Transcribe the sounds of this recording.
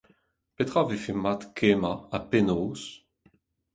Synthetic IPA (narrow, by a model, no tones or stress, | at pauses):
pet̪ʁavefemat̪kʰemaapenoːs